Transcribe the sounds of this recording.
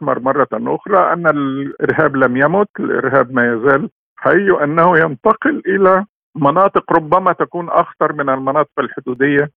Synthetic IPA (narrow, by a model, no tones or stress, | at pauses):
mɑɾˤmɑrˤːɑʔʊ̰xɾˤɑʔæ̰nːælʔɪ̰ɾɦæːblæmjæmʊt̪ɪlʔɪ̰ɾɦæːb̚mæːjæzæːl | ħaʔiːuʔanːæhʊjant̪ɑqɪlʔɪlæ | mɑnɑːt̪ˤɨqɾˤʊbːæmæt̪ækuːnʔɑ̰xt̪ɑɾˤmɪnælmɑnɑːt̪ˤɨ̥qalħʊd̪uːd̪ɪjːa